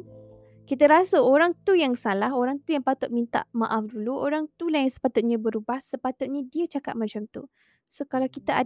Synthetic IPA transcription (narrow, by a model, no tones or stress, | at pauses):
kit̪aɾasaoɾaŋt̪ujaŋsalaɦoɾaŋt̪ujaŋpat̪ʊt̪̚mint̪a̰ʔmã̰ʔafduluʔoɾaŋt̪ulajaŋsə̥pat̪ʊt̪̚ɲãbəɾubasəpat̪ʊt̪̚ɲadiət͡ʃaka̰t̪̚mãt͡ʃamt̪ṵ | sokalawkit̪aa